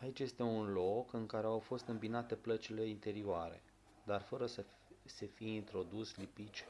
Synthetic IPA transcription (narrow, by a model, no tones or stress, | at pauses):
ait͡ʃʲje̞st̪e̞unlo̞kɨŋkaɾe̞awfo̞st̪ɨmbinat̪e̞plət͡ʃile̞int̪e̞ɾioaɾe̞̰ | d̪arfəɾəsə | se̞fijeint̪ɾo̞d̪uslipit͡ʃʲ